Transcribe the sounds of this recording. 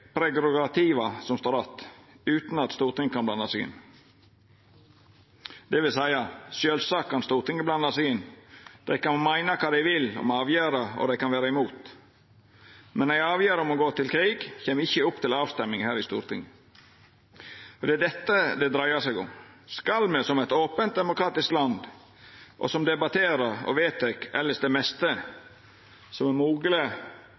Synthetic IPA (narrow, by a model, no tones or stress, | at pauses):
pʰɾɛɡɾʊɡɑt̪ʰiʋɑsɔmst̪oːɾɑt̪ː | ʉːt̪n̩ɑt̪st̪uːɾʈ̪ɪŋːəkʰɑnblɑnːɑsɪɡɪ̰n | d̪̥ɛʋɪlsæɪɑʃjøːlsɑːkʰːɑnst̪uːɾt̪ɪŋːəblɑnːɑsɪɡɪnd̪̥æɪkɑnmæɪnɑkʰɑːd̪æɪʋɪlɔ̰mɑːʋjøːɾɑɔ̰d̪æɪkɑnʋæːɾɑɪmuːt̪ | mɛnːæɪɑːʋjøːɾəɔmɔɡoːt̪ʰɪlkʰɾiːɡçeːməɪçːəʊpːt̪ʰɪlɑːʋst̪ɛmːɪŋhæːɾɪst̪ṵːɾt̪ʰɪ̰ŋːə | ɔd̪ɛæɖ̪ɛt̪ːəd̪ɛd̪ɾæɪəsɛɡʊ̰mskɑlmɛsɔmɛɪt̪oːpənt̪̚d̪ɛmʊkɾɑːt̪ɪsklɑnd̪ | ʔɔ̰sɔmd̪ɛbɑt̪ʰeːɾəɾɔ̰ʋeːt̪ɛkɛlːəsd̪ɛmɛst̪ə | sɔmɛmuːɡələ